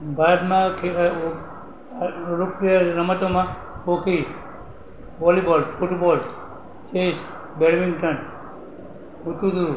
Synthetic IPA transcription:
baːd̪mãkʰe | ɾokɾiaɾəmət̪omã | okʰi | ʋɔlibɔlfuʈbɔːl | t͡ʃeːs | beɽmĩŋɡʈən | uʈud̪uɾu

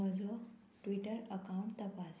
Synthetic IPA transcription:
əd͡zʱɔ | ʈʋiʈəɾəkawũɳʈt̪əpas

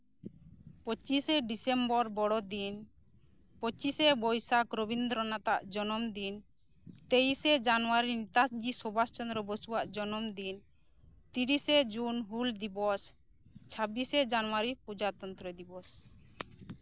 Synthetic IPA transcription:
pɔt͡ʃisɛɖisɛmbɔɾbɔɽɔd̪in | pɔt͡ʃisɛbɔjsakɾɔbind̪ɾɔnat̪aʔd͡ʒɔnɔmd̪in | t̪ejsɛd͡ʒanwaɾinit̪asd͡ʒisɔbast͡ʃɔndɾɔbɔsuwaʔd͡ʒɔnɔmd̪in | t̪iɾisɛd͡ʒunɦuld̪ibɔs | t͡ʃʰabisɛd͡ʒanɔwaɾipud͡ʒat̪ɔnt̪ɾəd̪ibɔs

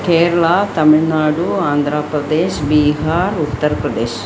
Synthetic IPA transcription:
keːɾɐɭat̪ɐmiɭnaːɽuaːnd̪ʱɾaːpɾɐd̪eːʃbiɦaːɾut̪ːɐɾɐpɾɐd̪eːʃ

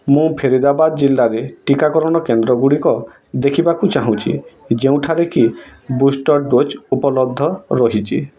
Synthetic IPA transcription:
mũpʰeɾid̪abad̪ɔd͡ʒilːaɾeʈikakɔɾɔɽ̃ɔkend̪ɾɔɡuɽikɔ | d̪ekʰibakut͡ʃaɦũt͡ʃʰḭd͡ʒeũʈʰaɾekibusʈɔɾɖot͡ʃupɔlɔb̚d̪ʱːɔɾɔɦit͡ʃʰi

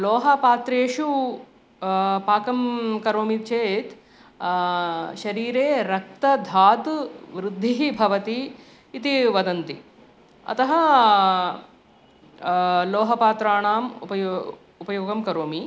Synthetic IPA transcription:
lɔːɦɐpaːt̪ɾeːʃu | paːkɐmkɐɾoːmit͡ʃeːt̪ | ʃɐɾiːɾeːɾɐk̚t̪ɐd̪ʱaːt̪ʋɾɪd̪ʱːiɦibʱɐʋɐt̪iː | t̪iʋɐd̪ɐnt̪i | ɐ̰t̪ɐɦɐ | lɔːɦɐpaːt̪ɾaːɳaːmṵpɐjo | upɐjoːɡɐmkɐɾoːmi

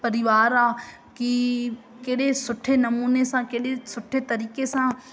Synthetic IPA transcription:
pɐɾɪʋaːɾaː | ki | keːɗesʊʈʰːenɐmuːnesãːkeːɗesʊʈʰːet̪ɐɾiːkesãː

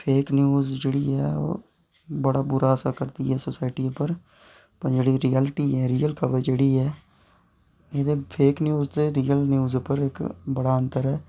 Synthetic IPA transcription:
pʰeːknjuːzd͡ʒeːɽiːɛːo̰ː | bəɽaːbʊɾaːəsəɾkəɾt̪ḭːɛːsoːsaːɪʈiːpəɾ | pəd͡ʒeːɽiːɾiːɛːlʈiːɦɛːɾiːəlkʰəbəɾd͡ʒeːɽiːɛː | eːd̪eːpʰeːknjuːzt̪eːɾiːəlnjuːzpəɾɪkbəɽaːənt̪əɾɦɛː

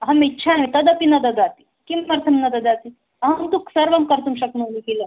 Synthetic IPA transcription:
ɦɐmitːɕʰamit̪əd̪əpinɐd̪əd̪at̪i̥ | kimːɐɾt̪ʰəmnɐd̪əd̪at̪i | ɦamt̪uksəɾʋəmkəɾt̪umɕɐknunikilə

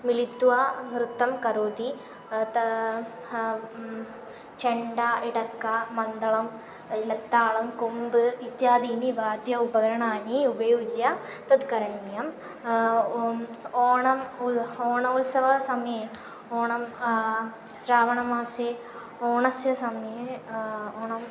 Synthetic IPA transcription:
milit̪ːuʋaʋɾɨt̪ːɐmkɐɾoːd̪i | t̪ɐ | t͡ʃeɳɖaiɽɐkːamɐnd̪ɐɭɐm | ilɐt̪ːaːɭɐmkombɨʋit̪jaːd̪iːniʋaːd̪jɐubɐɣɐɾɐɳaːniubɐjoːd͡ʒjat̪ɐd̪kɐɾɐɳiːjɐm | oːɳɐmuoːɳɐmulsɐʋɐsɐmɐje | oːɳɐm | sɾaːʋɐɳɐmaːse | oːɳɐsjɐsɐmje | oːɳɐm

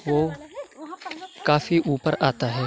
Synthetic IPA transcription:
ʋo | kaːfiʔuːpəɾʔaːt̪aɦɛː

